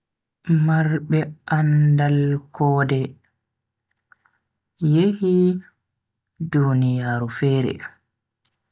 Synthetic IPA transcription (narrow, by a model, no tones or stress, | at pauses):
maɾbɛʔandalkʰɔːdɛ | jehi | dunijaːɾufɛːɾɛ̰